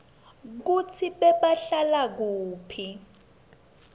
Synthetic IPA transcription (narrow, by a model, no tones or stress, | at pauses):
k̬ut͡sʰiɓɛɓaɬalak̬uːpʰi